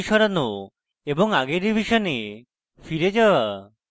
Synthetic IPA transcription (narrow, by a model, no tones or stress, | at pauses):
ʃɔɾano | ebɔŋaɡeɾibʱiʃɔne | fʰiɾed͡ʒawa